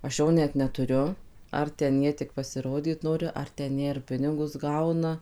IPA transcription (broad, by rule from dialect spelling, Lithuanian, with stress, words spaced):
ɐʃ ˈjoː nʲɛt nʲɛˈtʊrʲʊ ˌɐr tʲɛn ˈjiɛ tʲɪk pɐsʲɪˈroːdʲiːt ˈnoːrʲɪ ɐr tʲɛn ˈjiɛ ɪr ˈpʲɪnʲɪɡʊs ˈɡɐʊnɐ